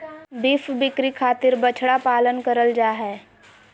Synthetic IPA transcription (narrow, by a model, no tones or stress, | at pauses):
bɪfbɪkɾikʰaːt̪ɪɾbət͡ʃʰɽapaːlənkəɾəld͡ʒaːɦɛː